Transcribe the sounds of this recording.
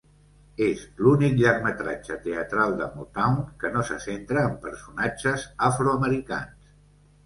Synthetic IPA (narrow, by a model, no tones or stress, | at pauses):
ezlunikʎərmət̪ɾa̰d͡ʒət̪eət̪ɾalˠd̪əmut̪awŋkənosəsent̪ɾəːmpəɾsunad͡ʒəzafɾuəməɾika̰ns